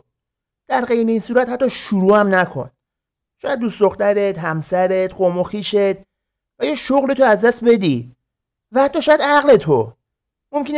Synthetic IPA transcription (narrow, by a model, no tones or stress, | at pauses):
d̪̥æɾɢe̞jɾeiːnsuːɾæt̪hæt̪ːɒːʃuɾuːæmnækʰo̞̰n | ʃɒːjæd̪̚ːusd̪oxt̪æɾet̪ɦæmsæɾet̪ɢomoxiːʃet̪̚ | væjeːʃoɣlet̪ʰoæzd̪æst̪̚be̞d̪i | væhæt̪ʰːɒːʃɔːjæd̪æɣle̞t̪ʰo | momkʰen